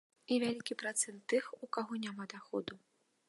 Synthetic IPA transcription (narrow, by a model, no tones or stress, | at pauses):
ivʲalʲikʲipɾat̪sɛnt̪ːɨxukaɣɔnʲamad̪axɔd̪u